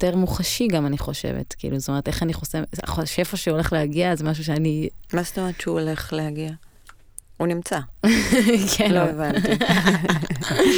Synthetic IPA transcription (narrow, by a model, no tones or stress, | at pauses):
teʁmuχaʃiɡamaniχo̞ʃḛvḛtkḭːlust̪ometeχaniχosea̰χoʃe̞faʃeole̞χlehaɡiazemaʃ̬uʃ̬eanimast̪omeet̪t͡ʃeuole̞χlehaɡia | unimt͡sa | kʰenloevan